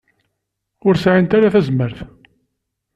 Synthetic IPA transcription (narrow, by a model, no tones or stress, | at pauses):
ʊɾsʕint̪aɾaθæzməɾθ